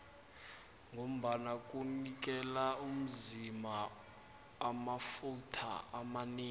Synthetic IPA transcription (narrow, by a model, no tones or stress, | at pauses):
ŋom̩ɓanak̬ʼunik̬ʼɛlaum̩zimaː | mafutʰa̰amaneː